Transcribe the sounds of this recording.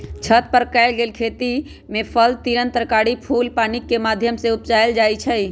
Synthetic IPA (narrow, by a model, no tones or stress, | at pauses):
t͡ʃʰət̪̚pəɾkɛɪlɡeːlkʰet̪i | mẽpʰəlt̪iɾənt̪ɾəkaːɽipʰuːlpaːnikːemaːd̪ʱjəmseupt͡ʃajld͡ʒaːjt͡ʃʰə